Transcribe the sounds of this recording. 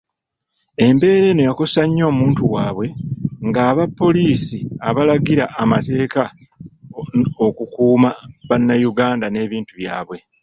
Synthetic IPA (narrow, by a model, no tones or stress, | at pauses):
e̞mbe̞ːɾe̞ːno̞jako̞saɲːo̞ːmuːntuwaːβwe̞ŋɡaːβapːo̞liːsiaβalaɡiɾaʔːmate̞ːka | okukuːmaβanːajuɡaːndane̞ːβiːntuβja̰ːβwe̞